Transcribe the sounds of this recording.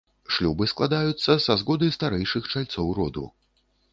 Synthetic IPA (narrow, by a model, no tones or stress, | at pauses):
ʂlʲubɨsklˠad̪ajut̪sːɐsazɣɔd̪ɨjst̪aɾɛjʂɨxt͡ʂalʲt̪sɔwɾɔd̪ṵ